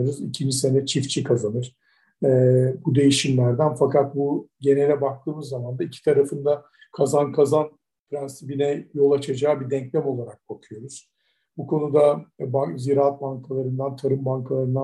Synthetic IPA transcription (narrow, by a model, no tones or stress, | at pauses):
ɾuzicʰind͡ʒise̞nɛt͡ʃʰift͡ʃʰikʰazanɯɾ̥ | ɛːbud̪e̞jiʃimlʲæɾd̪ænfakat̪̚buɟe̞nelʲɛbak̚t̪ʰɯːmɯzːamand̪aicʰi̥t̪ʰaɾafɯnd̪a | kʰazankʰazan | fɾanst̪ibinɛjo̞lˠat͡ʃʰad͡ʒaːbid̪ɛɲclʲɛmo̞lˠaɾak̚bakʰujo̞ɾuz̥ | bukʰo̞nud̪abaziɾaːat̪̚baŋkʰalˠaɾɯnd̪ant̪ʰaɾɯmbaŋkʰalˠaɾɯnd̪a